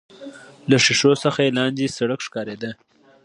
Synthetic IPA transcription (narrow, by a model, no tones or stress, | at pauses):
laʂɪʂosəxajelɑnd͡ʒesaɽəkʂkɑɾed̪ə